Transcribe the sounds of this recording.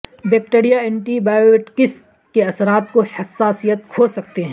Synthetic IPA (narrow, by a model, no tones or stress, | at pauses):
bɛːk̚ʈeːɾijaɛ̃ɳʈibaːjoeʈkɪs | keɐsɾaːt̪̚kohɐsːaːsijət̪̚kʰoːsɐk̚t̪eɦɛ̃